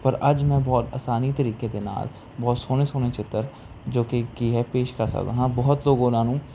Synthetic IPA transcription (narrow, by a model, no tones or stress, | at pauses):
pɐɾɐd͡ʒmɛ̃bɔːt̪a̰ːsaːnit̪ɐɾiːked̪ena̰ːl | bɔːt̪soːnesoːnet͡ʃɪt̪ːəɾ | d͡ʒoːkekiɦɛpeːʃkasa̰ːʋɐ̰ɦãbɔːʊt̪loːɡõːnaːnũː